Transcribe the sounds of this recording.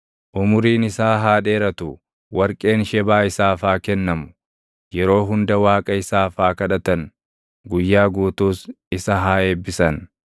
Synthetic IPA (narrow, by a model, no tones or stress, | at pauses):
ʔʊmʊɾiːnɪsaːɦaːᶑe̞ːɾɐt̪ʊ | wɐɾkʼe̞ːnʃɛbaːɪsaːfaːkɛnːɐmʊ̥ | jɛɾo̞ːɦʊnd̪ɐwaːkʼɐɪsaːfaːkɐᶑɐt̪ɐn | ɡʊjːaːɡuːt̪uːs | ɪsɐɦaːeːbːɪsɐn